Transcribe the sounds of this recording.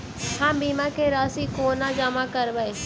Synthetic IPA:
hãːmbiːmãkeɾaːsikoːnãd͡ʒaːmãkəɾʋəe

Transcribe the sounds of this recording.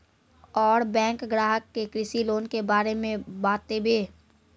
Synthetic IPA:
ɔːɾbɛ̃ːŋkɡɾaːɦəkːekɾɪsiloːnkebaːɾemẽbaːt̪ːebeː

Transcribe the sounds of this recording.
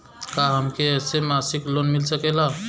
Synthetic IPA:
kaɦəmkesemasiklonmilsəkela

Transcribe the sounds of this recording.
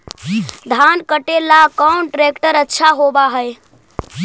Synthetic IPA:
d̪ʱankəʈelakɔnʈɾekʈəɾətːʃʰaɦobaɦəj

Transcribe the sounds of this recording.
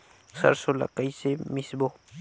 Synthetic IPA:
sa̰ɾsʊla̰kajsɪmɪsbo

